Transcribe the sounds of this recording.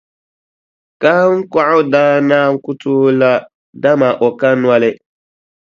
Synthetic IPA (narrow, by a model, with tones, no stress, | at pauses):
ka˦ŋ̩˦ka˦ʔʊ˦daː˦naː˦ŋ̩˦kʊ˦tʊː˦la˦ | da˦ma˨ʔɔ˨ka˦nwa˦lɪ˦